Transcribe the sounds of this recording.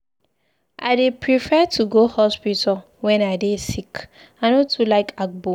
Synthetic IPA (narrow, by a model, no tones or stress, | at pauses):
ʔa̰ɪdepʰɹifɛtʰuɡohɔspital | wɛ̃naɪdesik | anotʰulaɪkʰak̚bo